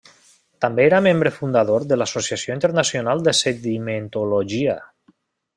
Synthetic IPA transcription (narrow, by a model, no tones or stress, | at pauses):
t̪ambeeɾamẽmbɾefund̪aðoɾðəlasosiasioint̪eɾnasjonalˠd̪eseðiment̪oloʒia̰